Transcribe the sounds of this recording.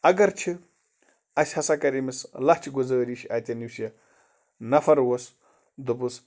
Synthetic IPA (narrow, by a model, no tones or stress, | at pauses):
ɐɡɐɾt͡ʃʰi | ɐsʲhɐsakɐɾimislɐt͡ʃʰiɡuzəːɾiːʃaːt̪ʲɐniwsijɐ | nɐfɐɾwos | d̪ubɨs